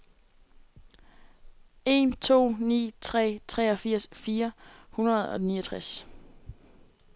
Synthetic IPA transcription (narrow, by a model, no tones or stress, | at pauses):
e̝nt͡sʰo̝̰ːnḭːt͡sʰʁɛ̰ːt͡sʰʁɛːɒ̽fiɐ̰sfiːɐhunɐð̞̩ˠɒ̽niːɐt͡sʰʁas